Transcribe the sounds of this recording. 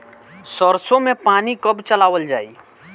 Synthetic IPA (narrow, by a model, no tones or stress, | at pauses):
səɾsõmẽpaːnikəbt͡ʃəlaːʋəld͡ʒa̰ːiː